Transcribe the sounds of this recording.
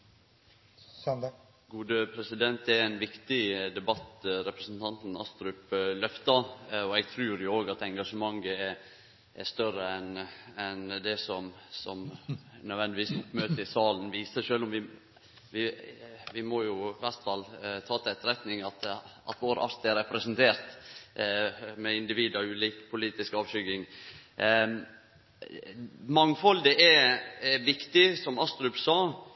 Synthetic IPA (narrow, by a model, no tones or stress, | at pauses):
ɡuːd̪əpʰɾɛsɪd̪ɛnt̪ɛɾænʋɪkt̪ɪd̪ɛbɑt̪ɾɛpɾəsn̩t̪ʰɑnt̪n̩ɑ̰st̪ɾʉplœft̪ɑɔɛɡ̚t̪ʰɾʉːɾjʊoːɡɑt̪ɛŋɡɑʂəmɑŋːəɛ | ʔɛ̰st̪œrəɛnɛnd̪ɛsɔmsɔmnœd̪ʋɛnd̪ɪʋiːstmøːt̪əɪsɑːlnʋiːsəʂøːlɔmʋɪ | ʋɪʋɪmɔjʊʋæɾt̪fɑlːt̪ʰɑːt̪ʰɪɛt̪ɾɛt̪nɪŋɑt̪ʔɑ̰t̪ʋoːɾʔɑ̰ɾt̪æɾɛpɾɛsənt̪ʰeːɾt̪ | mɛɪnd̪ɪʋiːd̪ɑʉːliːkpʰʊliːt̪ɪskɑːʋʃʏɡɪŋ | mɑŋːfɔld̪ɛʔɛ | ʋɪkt̪ɪsɔmɑst̪ɾʉpsɑː